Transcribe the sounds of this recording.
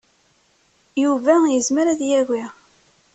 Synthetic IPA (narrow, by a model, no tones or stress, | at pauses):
juvæjəzməɾæðjæɡi